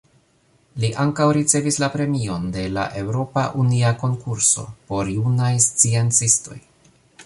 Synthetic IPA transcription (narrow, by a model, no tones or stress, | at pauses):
liʔaŋkawɾit͡se̞vislapɾe̞mio̞nde̞la̰ʔe̞wɾo̞paʔuniako̞ŋkuɾso̞̰po̞ɾjunajst͡sient͡sisto̞̰j